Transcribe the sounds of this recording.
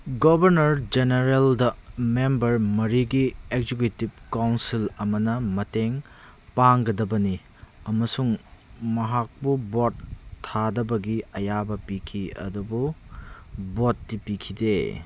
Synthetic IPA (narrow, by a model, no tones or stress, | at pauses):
ɡobɐɾnɐɾd͡ʒeneɾeldɐmembɐɾmɐɾiɡieɡzek̬etib̚kawnsilɐmɐnɐmɐteŋ | paŋɡɐdɐbɐni | ɐmɐsuŋmɐɦak̚pubotʰːadɐbɐɡiɐjabɐpikʰiɐ̰dubu | botːipikʰide